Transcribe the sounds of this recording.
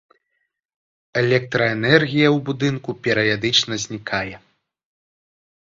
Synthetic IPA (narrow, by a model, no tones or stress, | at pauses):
ɛlʲɛk̚t̪ɾɐɛnɛrɣʲijɐwbud̪ɨnkupʲɛɾɐvʲad̪ɨt͡ʂnɐzʲnʲikʰajɛ